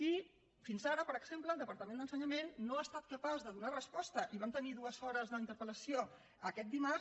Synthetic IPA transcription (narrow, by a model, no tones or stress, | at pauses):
i | finzaɾəpəɾəɡz̥empləːlˠd̪əpəɾt̪əmend̪ənsəɲəmenːoast̪at̪̚kəpazðəðunarəspɔst̪əʔiβamt̪əniðuəzɔɾəzðəint̪əɾpələsio | əkɛt̪̚d̪ima